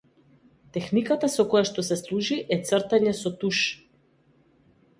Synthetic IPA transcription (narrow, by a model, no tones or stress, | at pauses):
t̪ɛxnikat̪asɔkɔjaʃt̪ɔsɛslˠuʒiʔɛt̪srt̪aɲɛsɔt̪uʃ